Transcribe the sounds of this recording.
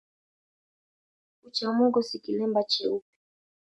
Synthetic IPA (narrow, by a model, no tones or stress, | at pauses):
ut͡ʃamɔɡɔsikilɛmbat͡ʃɛupi̥